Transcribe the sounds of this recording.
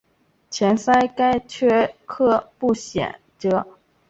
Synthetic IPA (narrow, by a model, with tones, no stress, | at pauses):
t͡ɕʰjɛ˧˥nsa˥ɪka˥ɪt͡ɕʰɥɛ˥˧kʰɤ˥˧pu˥˩ɕjɛ̰˨˩˦nʈ͡ʂɤ˧˥˦